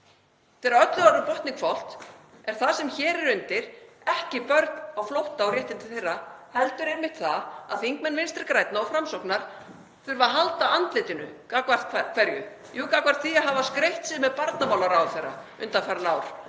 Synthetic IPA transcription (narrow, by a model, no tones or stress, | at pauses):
θɛɾaœp̪ðʏaɾʏpɔht̪niŋkfɔwl̥t̪ɛɾ̥θaðsɛmçɛːɾɪɾʏnt̪ɪɾ̥ | ɛhcɪpœɾt̪nawflowht̪aːwɾjɛht̪ɪnt̪ɪθejrːahɛlt̪ʏɾenmɪht̪θaa̰ðθiŋkmɛnːvɪnst̪ɪɾkɾajt̪naɔfɾamsowknaɾ̥ | θʏɾvaɦalt̪aant̪lɪːt̪ɪnʏkaːkvar̥t̪kʰkʰvɛɾjʏ̰ | juːkakvaɾ̥t̪θiaɦaːvaskɾejht̪sɪmɛðpaɾt̪namawlaɾawθejrːa̰ | ʏ̰nt̪afɛɾanaːwɾ̥